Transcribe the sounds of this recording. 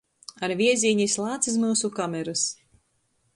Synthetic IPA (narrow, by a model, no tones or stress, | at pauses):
aɾvʲiɛzʲiːɲislˠaːt̪sis̬muːsukamʲɛɾɨs